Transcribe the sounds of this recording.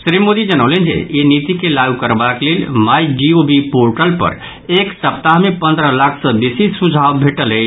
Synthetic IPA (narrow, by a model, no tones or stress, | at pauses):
sɾimod̪id͡ʒənəʊlend͡ʒḛjenit̪ikelaɡukəɾbaklelmajd͡ʒiobipoɾʈəlpə̰ɾ | eksəp̚t̪aɦmepənd̪ɾəlakʰsə̃besisud͡ʒʱawbʱeʈələ